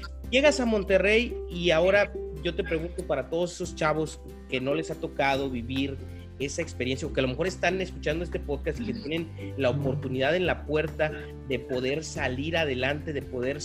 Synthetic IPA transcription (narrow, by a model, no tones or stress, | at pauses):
je̞ɣasamõ̞nt̪e̞re̞jiao̞ɾaʝo̞t̪e̞pɾe̞ɣunt̪o̞paɾat̪o̞ð̞o̞s̬e̞so̞st͡ʃaβo̞s | ke̞no̞le̞sat̪o̞kað̞o̞βiβiɾ | e̞sae̞kspe̞ɾjensjaoke̞alo̞me̞xo̞ɾe̞st̪ane̞skut͡ʃand̪oest̪e̞po̞ðkast̪ike̞t̪je̞ne̞nlaopo̞ɾt̪uniðaðe̞nlapwe̞ɾt̪a | ðe̞po̞ðe̞ɾsaliɾaðe̞lant̪e̞ðe̞po̞ðe̞ɾ